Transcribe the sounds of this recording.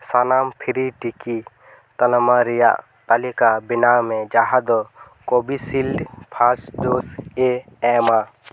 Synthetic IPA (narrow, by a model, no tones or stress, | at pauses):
sanampʰiɾiʈiki | t̪ɐlmaɾija̰ʔ | t̪alikabinamẽd͡ʒaɦad̪ɔ | kobisilpʰasɖoseɛma